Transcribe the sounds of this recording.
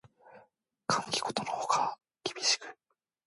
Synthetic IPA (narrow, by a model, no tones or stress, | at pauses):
kʰãŋkʲi̥ɡo̞t̪onohoka | kʲibʲiɕi̥kɯ̟̥